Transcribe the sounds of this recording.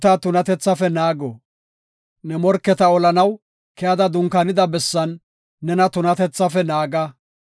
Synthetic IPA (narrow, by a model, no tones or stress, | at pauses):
t̪ɐt̪ʊnɐt̪ɛt͡sːɐfɛnaːɡɔ | nɛmɔɾkːɛt̪ɐɔlɐnɐw | kɛjɐd̪ɐd̪ʊŋkɐnɪd̪ɐbɛsːɐnː | ɛnɐt̪ʊnɐt̪ɛt͡sːɐfɛnaːɡɐ